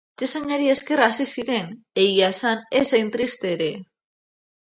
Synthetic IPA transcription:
t͡ʃesaɲaɾieskerasisiɾen | ejasanesaint̪ɾist̪eɾe

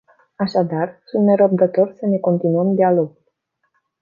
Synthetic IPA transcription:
aʃad̪arsunt̪ne̞ɾəb̚d̪ət̪o̞rʲsəne̞ko̞nt̪inuəmd̪ialo̞ɡul

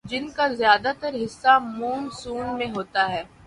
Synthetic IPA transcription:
d͡ʒɪnkazɪjaːd̪at̪əɾɦɪsːamuːnsuːnmẽɦoːt̪aɦɛː

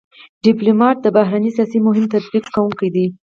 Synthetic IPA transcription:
ɖɪplumɑʈ̚d̪əbaɦɾanisjɑsimʊɦɪmt̪at̪̚biqːawuŋkajd̪i

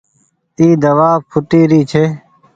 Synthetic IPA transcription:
iːd̪əʋaːpʰʊʈiːɾiːt͡ʃʰeː

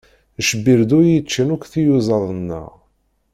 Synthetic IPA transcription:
əʃbiɾd̪uɾjət͡ʃːənukθijuzˤɑðˤənːə̰ʁ

